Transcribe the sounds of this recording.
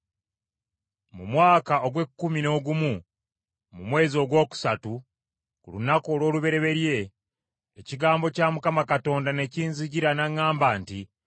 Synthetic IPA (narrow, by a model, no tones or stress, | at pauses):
mṵmwaːkao̞ɡwe̞kːumino̞ːɡumu | mumwe̞ːzio̞ːɡwo̞ːku̥satu | kulunako̞ːlwo̞ːluβe̞ɾe̞βe̞ɾje̞ː | ciɡaːmbo̞caːmukamakato̞ːndane̞ciːnziɟiɾanaŋːaːmbaːnti